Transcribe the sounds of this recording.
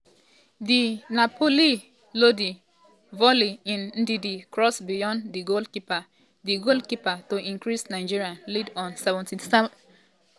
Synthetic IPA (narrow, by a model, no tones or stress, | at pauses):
dinapʰoli | lodi | vɔliĩnn̩didikɹɔsbijɔ̃ndiɡoldkipa | diɡoldkipatoʔĩŋkɹisnaɪd͡ʒiɹialidɔ̃nsɛvɔ̃ntinsɛ